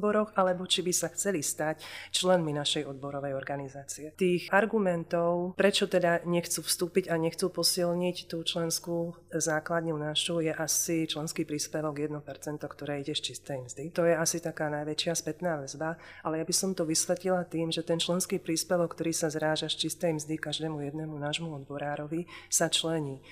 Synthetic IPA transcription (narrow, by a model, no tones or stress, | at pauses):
bɔɾɔxalɛbɔt͡ʃibisaxt͡sɛlist̪act͡ʃlɛnminaʃɛjɔd̪̚bɔɾɔʋɛjɔɾɡanizaːt͡siɛt̪iːxʔaɾɡumɛnt̪ɔʊpɾɛt͡ʃɔt̪ɛd̪aɲɛxt͡suːfst̪uːpiɟaɲɛxt͡supɔsilɲict̪uːt͡ʃlɛnskuː | zaːklad̪ɲunaʃujɛʔasit͡ʃlɛnskiːpɾiːspɛʋɔɡjɛd̪nɔpɛɾt͡sɛnt̪ɔkt̪ɔɾɛːiɟɛʃt͡ʃist̪ɛjmzd̪it̪ɔjɛasit̪akaːnajʋɛt͡ʃɪaspɛt̪naːʋɛzba | alɛjabisɔmt̪ɔʋisʋɛt̪lilat̪iːmʒɛt̪ɛnt͡ʃlɛnskiːpɾiːspɛʋɔkːt̪ɔɾiːsazɾaːʒaʃt͡ʃist̪ɛjmzd̪ikaʒd̪ɛːmujɛd̪nɛːmunaːʒmuɔd̪bɔɾaːɾɔʋisat͡ʃlɛɲiː